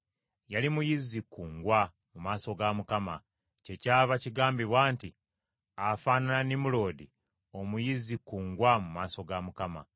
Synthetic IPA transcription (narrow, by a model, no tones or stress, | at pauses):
jalimujizikːuːŋɡwa | mumaːso̞ɡamukama | ce̞caːβaciɡaːmbiβwaːnti | afaːnananimulo̞ːdi | o̞mujizikːuːŋɡwamumaːso̞ɡamukama̰